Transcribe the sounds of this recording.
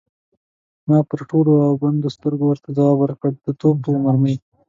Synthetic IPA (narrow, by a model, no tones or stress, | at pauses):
mɑpəɾʈoloawband̪ost̪əɾɡowəɾt̪ad̪ɑwawəɾkəɽd̪̥ət̪ob̚pomahməj